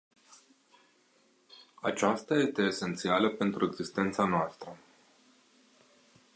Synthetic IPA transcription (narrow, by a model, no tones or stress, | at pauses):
at͡ʃast̪aje̞st̪e̞ːse̞nt̪sialəpe̞nt̪ɾue̞ɡzist̪e̞nt̪sanoast̪ɾə